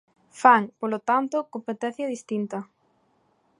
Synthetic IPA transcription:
faŋpolot̪ant̪ʊkompet̪ɛ̃θjɐðist̪int̪ɐ

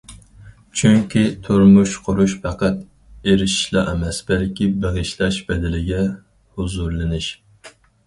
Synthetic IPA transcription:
t͡ʃʰyŋkʲit̪ʰuɾmuʃqʰʊɾuʃpʰæqæt̪ | eɾɪʃi̥ʃlˠɑ̰ʔɛmɛsbɛlkʲibeʁɨʃlˠɛʃbɛd̪ɪlɪɡʲɛ | huzuɾlˠɨnɪʃ

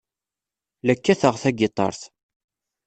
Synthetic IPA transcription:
lækːæθəʁθæɡɪt̪ˤːɑ̰ɾˤθ

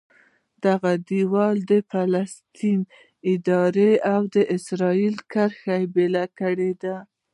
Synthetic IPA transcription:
d̪aɣad̪iwɑld̪əfalast̪in | ɪd̪ɑɾeawd̪əʔɪsɾɑilkəɾxajebelakəɽed̪a

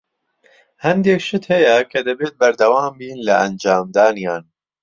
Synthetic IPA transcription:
hɐnd̪eːkʃɨt̪hɐjɐkʰɐd̪ɐbeːt̪̚bɐɾd̪ɐwaːmbiːnlɐʔɐnd͡ʒaːmd̪aːnijaːn

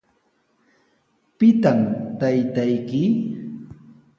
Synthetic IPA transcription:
pɪt̪amt̪ajt̪ajkɪ

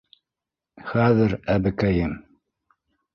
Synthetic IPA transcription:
xæðɘɾæbɘkæjɘm

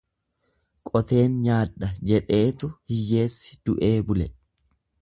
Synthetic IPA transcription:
kʼɔt̪e̞ːnɲaːᶑɐd͡ʒɛᶑe̞ːt̪ʊhɪjːe̞ːsːɪ̥d̪̥ʊʔe̞ːbʊlɛ

